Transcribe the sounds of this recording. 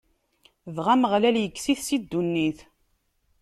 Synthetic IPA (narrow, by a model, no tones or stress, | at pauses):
ðʁæməʁlæljəkːsiθsid̪ːunːiθ